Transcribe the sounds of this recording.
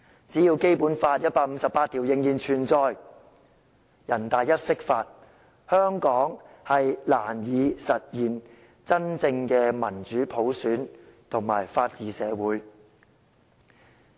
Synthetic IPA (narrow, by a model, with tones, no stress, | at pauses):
t͡siː˨˥jiː˧wke˥jpuː˨˥nfaː˧t̚jɐ˥t̚paː˧k̚m̩˧sɐ˨pːaː˧t̪ʰi˨˩wjɪ˨˧ŋjiː˨˩nt͡ʃʰyː˨˩nt͡sɔː˧j | jɐ˨˩nt̪aː˨jjɐ˥t̚sɪ˥k̚faː˧t̚ | hœː˥ŋkɔː˨˥ŋ | hɐ˨jlaː˨˩njiː˨˧sɐ˨t̚jiː˨˩n | t͡sɐ˥nt͡sɪ˧ŋkɛː˧mɐ˨˩nt͡ʃyː˨˥pʰo˨˥wsyː˨˥nt̪ʰʊ˨˩ŋmaː˨˩jfaː˧t̚t͡siː˨sɛː˨˧wuː˨˥j